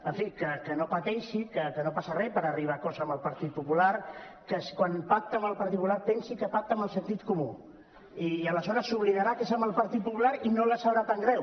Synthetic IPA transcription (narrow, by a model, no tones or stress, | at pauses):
əɱfikəkənopət̪ɛʃikəkənopasərɛpəɾəriβ̞akɔzəəmbəlˠpəɾt̪it̪̚pupulaɾ | kəskwanpak̚t̪əmbəlˠpəɾt̪it̪pulaɾpɛnsikəpak̚t̪əmbəlˠsənt̪it̪kumu | iələsɔɾəsuβ̞liðəɾakesambəlˠpəɾt̪it̪̚pupulaɾinoləsəβɾat̪aŋɡɾɛw